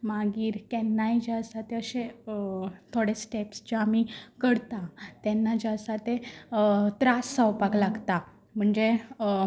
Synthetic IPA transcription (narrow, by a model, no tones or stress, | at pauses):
maɡiːɾkɛnːaid͡ʑasat̪eəɕẽ | t̪ʰoɽesʈepsd͡ʑaamikəɽt̪ãt̪ɛnːad͡ʑasat̪e | t̪ɾasːəwpaklaɡt̪a | m̤əɳd͡ʑe